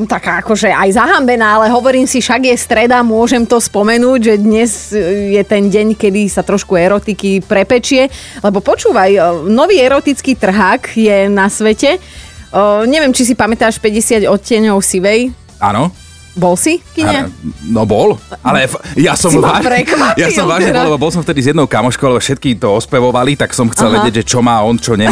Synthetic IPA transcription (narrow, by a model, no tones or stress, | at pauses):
t̪akaːakɔʒɛajzaɦambɛnaːalɛɦɔʋɔɾiːmsiʃaɡjɛst̪ɾɛd̪amʊɔʒɛmt̪ɔspɔmɛnuːɟʒɛd̪ɲɛzjɛt̪ɛnɟɛɲkɛd̪isat̪ɾɔʃkuɛɾɔt̪ikipɾɛpɛt͡ʃɪɛ | lɛbɔpɔt͡ʃuːʋajnɔʋiːɛɾɔt̪it͡skiːt̪r̩ɦaːkjɛnasʋɛcɛ | ɲɛʋɪɛmt͡ʃis̬ipamɛt̪aːʃpɛɟɛsɪaɟɔcːɪɛɲɔʊfsiʋɛj | a̰nɔ | bɔlsifkiɲanɔbɔlalɛjasɔmaɾɛkjaɔmʋaːʒniɔlɛbɔbɔls̬ɔmft̪ɛd̪izjɛd̪nɔʊkamɔʃkɔʊlɛbɔfʃɛt̪̚kit̪ɔɔspɛʋɔʋalit̪aksɔmxt͡sɛlʋɛɟɪɛɟʒɛt͡ʃɔmaːɔnt͡ʃɔɲɛ